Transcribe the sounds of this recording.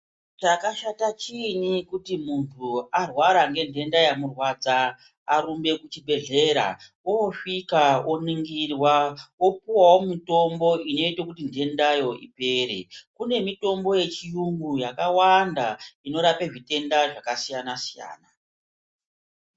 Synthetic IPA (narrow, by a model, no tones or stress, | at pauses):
t͡ʃakaʃatat͡ʃinikutimuntʰuarwaɾaŋɡe̞nde̞ndajamurwad͡za | aɾumbe̞kut͡ʃibʱe̞ɮe̞ɾa̰ | oʂikaoniŋɡirwao̞puwawo̞mito̞mbo̞ino̞itokutinde̞ndajo̞ipe̞ːɾe̞̰kune̞mito̞mbo̞je̞t͡ʃijuŋɡujakawandaino̞ɾapeʐite̞ndaʐakasijanasija̰ːna